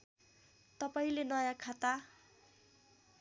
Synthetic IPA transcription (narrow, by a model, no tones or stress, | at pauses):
t̪ʌpaĩlenʌjãkʰat̪a